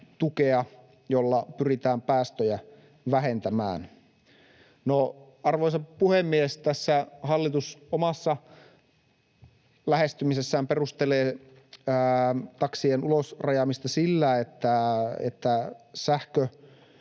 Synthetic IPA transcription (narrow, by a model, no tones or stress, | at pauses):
t̪ukeɑ | jolːɑpyrit̪æːmpæːst̪øjæ | ʋæɦent̪æmæ̰ːn | no | ɑrʋojsɑppːuhemːieest̪æsːæhɑlːit̪usomɑsːɑ | læhest̪ymisesːæːmperust̪eleː | t̪ɑksienulosrɑjɑmist̪ɑsilːæet̪ːæḛt̪ːæsæhkø